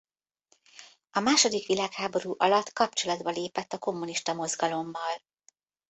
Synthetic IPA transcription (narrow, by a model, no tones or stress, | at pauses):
ɒmaːʃo̞d̪ikʋilaːkhaːbo̞ɾuːʔɒlɒt̪kɒpt͡ʃo̞lɒd̪bɒleːpɛt̪ːɒko̞mːuniʃt̪ɒmo̞zɡɒlo̞mːɒl